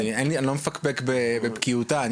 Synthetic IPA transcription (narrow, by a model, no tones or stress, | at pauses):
enlianlomefakbekbebebkiutaːn